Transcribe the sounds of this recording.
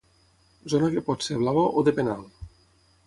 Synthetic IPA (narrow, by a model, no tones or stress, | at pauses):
zonakepɔt̪seβlaβoʔod̪epenal